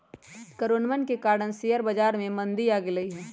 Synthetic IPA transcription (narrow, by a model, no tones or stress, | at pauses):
kəɾoːnmənkekaːɾɽənsijəɾbɐd͡ʒaːɾmẽmə̃nd̪iaːɡɪlɐiɦɛː